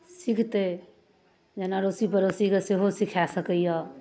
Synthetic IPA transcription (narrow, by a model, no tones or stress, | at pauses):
sikʰt̪e | d͡ʒenaɾosipəɾosikeseɦosikʰasəkəja